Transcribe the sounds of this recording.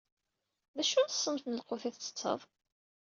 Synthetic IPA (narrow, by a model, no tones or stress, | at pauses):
ðæʃʊɾθsˤːəmθnəlqoθiθt͡sːə̥t͡sːə̰ðˤ